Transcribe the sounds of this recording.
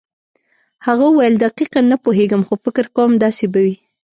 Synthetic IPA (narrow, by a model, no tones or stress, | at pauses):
haɣawajəld̪aqiqanapoɦeɡəmxofɪkɪɾkawəmd̪ɑsebawi